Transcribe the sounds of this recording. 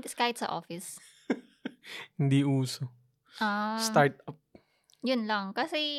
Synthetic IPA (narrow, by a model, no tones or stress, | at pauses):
t̪ɪskaːhɪt̪sɐ̰ʔo̰ːfɪs | hɪnd̪iʔuːso | ʔaːstaɹt̪ɐp̚ | jʊnlɐŋkɐsɛ